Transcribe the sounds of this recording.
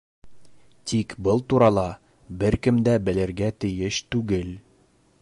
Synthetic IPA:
t̪ikbɤlˠt̪uɾɑlˠɑ | bɘɾkɘ̆md̪æbɘ̆lɘ̆ɾɡæt̪ɘ̆jɘʃt̪ʉɡɘl

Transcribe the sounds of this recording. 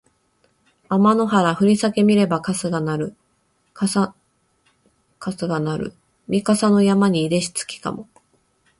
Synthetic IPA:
amano̞ɦaɾaɸɯ̟ɾʲisake̞mʲiɾe̞bakasɨɡanaɾɯ̟ | kas | kasɨɡanaɾɯ̟̰ | mʲikasano̞jamaɲ̟iːɾe̞ɕi̥t͡sɨ̥kʲi̥ka̰mo̞

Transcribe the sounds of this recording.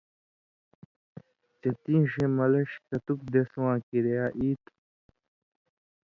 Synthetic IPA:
t͡ɕet̪ĩːɕẽmɐlɐɕkɐt̪uk̚d̪eswãːkiɾejaːʔiːt̪

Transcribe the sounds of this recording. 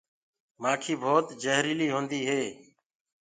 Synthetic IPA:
maːkʰiːbʱoːt̪d͡ʒəɦɾiːliːɦõːnd̪iːɦeː

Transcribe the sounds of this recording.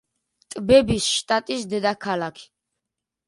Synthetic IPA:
t̪ʼbɛbisʃt̪ʼat̪ʼisd̪ɛd̪akʰalakʰi̥

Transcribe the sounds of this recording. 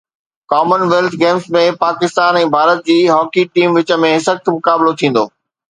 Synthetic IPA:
kaːmənʋeːlt̪ʰɡeːmsmẽpaːkɪst̪aːnɛ̃ːbʱaːɾət̪̚d͡ʑiːɦɔːkiʈiːmʋɪt͡ɕə̆mẽɦɪsəkt̪ʰmʊkaːbɪlot̪ʰĩːn̆d̪oː

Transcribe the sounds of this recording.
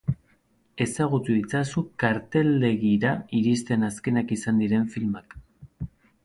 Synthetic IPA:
e̞saɣ̞ut̪uðit͡sasukaɾt̪e̞ld̪e̞ɣiɾaiɾist̪e̞naske̞nakisand̪iɾe̞ɱfilmak

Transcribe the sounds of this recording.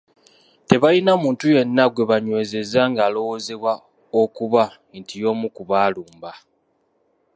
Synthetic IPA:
te̞βajinamuːntuje̞nːaɡwe̞βaɲwe̞ːze̞zaŋɡaːlo̞wo̞ze̞βwa | okuβa | ntijo̞ːmukuβaːluːmba

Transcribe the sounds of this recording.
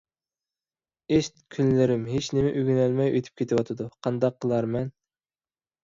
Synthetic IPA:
eʃt̪kʲʰynlɪɾɪmɦet͡ʃnɪmɪʔyɡʲynælmɛjøt̪ʰy̥p̚kʲʰet̪ʰɪwɑt̪ʰɨd̪uqʰɑnd̪ɑqːəlˠɑɾmɛn

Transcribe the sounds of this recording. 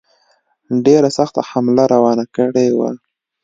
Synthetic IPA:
ɖeɾasaxt̪a̰hamlaɾawɑnakəɽewa̰

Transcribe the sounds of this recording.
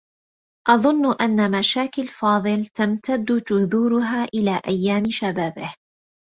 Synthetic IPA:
ʔɑðˤʊnːʊʔanːamaʃaːkɪlfɑːðˤɨlt̪amt̪ad̪ːʊd͡ʒʊðuːɾʊɦaːʔɪlaːʔajːaːmɪʃabaːbɪh

